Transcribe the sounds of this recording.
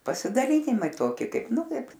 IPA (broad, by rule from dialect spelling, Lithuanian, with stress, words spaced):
pɐsʲɪdɐˈlʲiːnʲɪmɐɪ ˈtoːkʲɪ ˈkɐɪp ˈnʊ ˈkɐɪp